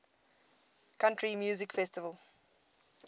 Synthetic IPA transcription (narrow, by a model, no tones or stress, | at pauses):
kʰãntɹimjuːzɪkfɛstɪvəlˠ